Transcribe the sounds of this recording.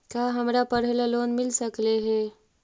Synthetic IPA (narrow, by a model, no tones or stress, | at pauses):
kjaːɦɐmɾapɐɽ̤elaloːnmɪlsəkleɦɛː